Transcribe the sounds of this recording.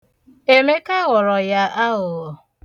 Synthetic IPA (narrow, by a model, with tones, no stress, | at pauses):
e˨me˦ka˦ɣʊ˨ɾɔ˨ja˦ʔa˦ɦʊ˨